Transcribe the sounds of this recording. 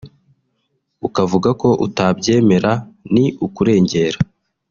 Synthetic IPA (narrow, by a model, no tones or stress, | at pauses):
ukavuɡako̞ʔutabɟe̞ːme̞ɾaniukuɾe̞ːɲɟe̞ːɾa